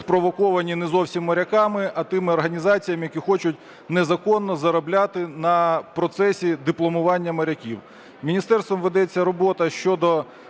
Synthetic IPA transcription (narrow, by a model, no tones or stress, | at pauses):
spɾɔʋɔkɔʋɐnʲinɛzɔwsʲimːɐɾʲɐkɑmɪʔɐt̪ɪmɪɔrɦɐnʲizɑt͡sʲijɐmɪjɐkʲixɔt͡ʃʊtʲ | nɛzɐkɔnːɔzɐɾɔblʲat̪ɪnɐpɾɔt̪sɛsʲid̪ɪplˠɔmʊʋɑnʲːɐmɐɾʲɐkʲiw | mʲinʲist̪ɛrst̪ʋɔmʋed̪ɛt͡sʲːɐɾɔbɔt̪ɐʃt͡ʃɔd̪ɔ